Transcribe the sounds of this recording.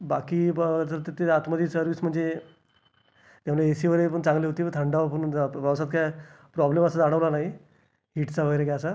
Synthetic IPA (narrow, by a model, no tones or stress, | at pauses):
bakiːt̪əɾt̪et̪eat̪məd̪iːsəɾʋiːsm̤əɳd͡ze | t̪jamlaesiʋəɾep̬əɳt͡sãŋɡleɦot̪ipət̪ʰəɳɖaʋapəɳʋəʋsat̪̚kaj | pɾɔbleməsad͡zaɽ̃əʋlanaɦi | ɦiʈt͡saʋəɡəɾekaəsa